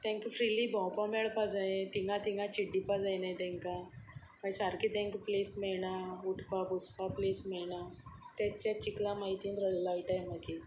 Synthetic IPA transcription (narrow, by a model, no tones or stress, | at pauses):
t̪ɛ̃ŋkjufʰɾilibʱɔ̃wpamɛɭpad͡zet̪iŋɡãt̪iŋɡãt͡ɕiɖːipad͡zajnẽt̪ɛ̃ŋka | maisaɾkit̪ɛ̃ŋkplesmeɭɳauʈʰpabuspapleːsmelɳat̪ɛt͡ɕɛt͡ʃiklãmait̪ĩnd̪ɾəllaiʈajmaki